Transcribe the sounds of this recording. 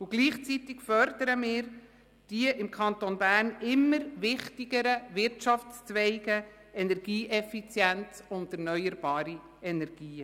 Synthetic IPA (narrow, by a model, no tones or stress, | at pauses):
ʊɡliːχt͡sit̪ɪkfœɾd̪əɾəmɪːɾ | d̥iəʔɪmkʰɑnt̪onbæːrnɪmːəɾvɪχtiɡəɾəʋɪɾtʃɑft͡st͡svɛɪɡə | ɛnɛɾɡ̥iːʔɛfit͡sjænt͡sʊnd̪ɛɾnœʏjəɾbɑːɾi | ɛnɛɾɡ̥iːə